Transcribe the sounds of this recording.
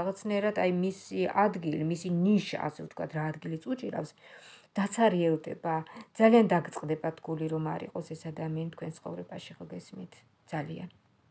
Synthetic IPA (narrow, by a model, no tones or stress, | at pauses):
aʁat̪sʰnaɛɾad̪ʰajmisiad̪ɡilimisiniʃa̰ːsɛvt̪ʰkʰwa̰d̪ɾaːd̪ɡilit̪sʼut͡ʃʼiɾa̰fsd̪̥at̪sʰaɾiɛlˠd̪ɛ̰bad̪z̥aliand̪aɡt̪sʼqʼd̪ɛbat̪ʰɡuliɾɔmaɾḭqʼɔsɛsad̪amianit̪̚ʰkwɛnsʰχɔ̰vɾɛbaʃiχɛlˠɡɛsmit̪ʰ | d̪z̥alia̰n